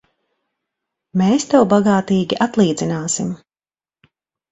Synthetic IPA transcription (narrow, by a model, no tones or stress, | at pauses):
meːst̪ɛwbaɡaːt̪iːɡʲiʔat̪lˠiːd̪zʲinaːsim